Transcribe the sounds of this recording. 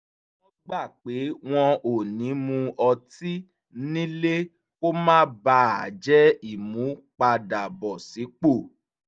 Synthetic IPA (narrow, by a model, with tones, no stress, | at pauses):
ɔ˦ɡ͡ba˦˨k͡pe˨˦w̃ɔ̃˧o˨nĩ˨˦mũ˧ɔ˧ti˦ | nĩ˦le˦ | ko˦mãː˦ba˧a˨d͡ʒɛ˦i˦˨mũ˨˦k͡pa˧da˨bɔ˨si˨˦k͡po˦˨